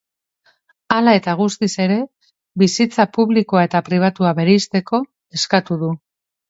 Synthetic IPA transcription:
alae̞t̪aɣ̞ust̪ise̞ɾe̞ | βisit͡sapuβliko̞ae̞t̪apɾiβ̞at̪uaβe̞ɾeist̪e̞ko̞ | e̞skat̪uðu

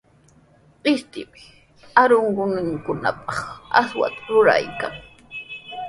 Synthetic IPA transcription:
qɪst̪ɪpɪ̥ | aɾʊɴɢʊnɪŋkʊna̰pɑχaswa̰t̪ḁɾʊɾa̰jkaŋ

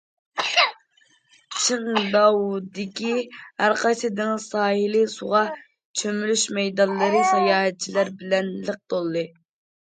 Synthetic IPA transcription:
t͡ʃʰɨŋd̪ɑwd̪ɪkʲihæɾqʰɑjsɨd̪ɨnsɑːhilisuʁɑ | t͡ʃʰømylyʃmɛjd̪ɑnlˠɨɾɨsɑjɑːɦɛt̪̚t͡ʃʰilæɾbɪlɛnləq̚t̪olˠːɨ

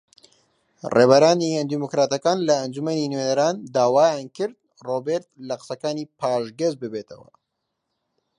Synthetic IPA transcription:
rḛːβɐɾaːniɐnd̪imokɾaːt̪ɐkaːnlɐːnd͡ʒumɐninwenɐɾaːnd̪aːwaːjaːnkɨɾd̪̚ | roːbeɾt̪̚lɐqɨ̥sɐkaːniːpʰaːʃɡɐzbɨbeːt̪ʰɐwɐ̰

